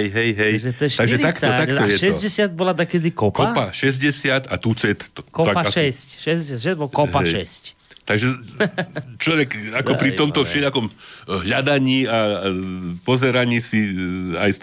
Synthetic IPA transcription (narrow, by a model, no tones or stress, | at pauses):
jɦɛjɦɛjʒɛt̪ɛʃaɡʒɛt̪aktɔat̪t̪ɔjɛʃɛzɟɛsjat̪̚bɔlad̪akɛd̪ɪkɔpkɔpaʃɛzɟɛsɪat̪at̪ut͡sɛt̪kɔapaaʃɛscʃɛzsjaʃɛbɔkɔpaʃɛsc | t̪aɡʒɛ | t͡ʃlɔʋɛkakɔpɾit̪ɔmt̪ɔfʃɛʎakɔmɦʎad̪aɲiːa | pɔzɛɾaɲiːsiajs